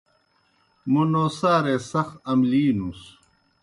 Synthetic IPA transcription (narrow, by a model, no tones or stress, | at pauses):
munoːsaːɾesɐxɐmliːnus